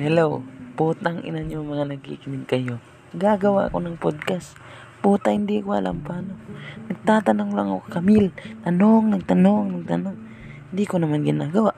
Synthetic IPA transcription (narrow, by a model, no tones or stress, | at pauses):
hɛlowpuːt̪aŋɪ̰nanjoŋmɐŋanɐɡ̚ḭkɪmɪnkɐjo | ɡaɡɐwa̰ʔkonɐŋpod̪̚kas | puːt̪ahɪnd̪ikoɐ̰lʔa̰mpaːnonɐɡ̚t̪aːt̪anoŋlaŋokkɐmɪlt̪anoŋnɐɡ̚t̪anoŋnɐɡ̚t̪a̰noŋ | hɪnd̪ikonɐmanɡɪnaːɡɐwaʔ